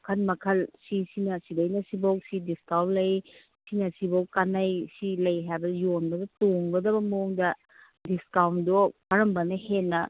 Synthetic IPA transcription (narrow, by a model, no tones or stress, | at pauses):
kʰɐnmɐkʰɐlsisinɐsidɐjnɐsibowk̚sidiskawlɐj | sinɐsibowkanɐjsilɐjɦajbɐjonbɐdɐtoŋɡɐdɐbɐmɐuŋdɐ | diskawndokɐɾɐmbɐnɐɦenːɐ